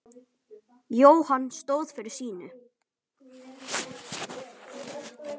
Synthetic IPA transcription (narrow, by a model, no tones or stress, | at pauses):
joːwhanːst̪oːwðfɪɾɪɾ̥siːnʏ̰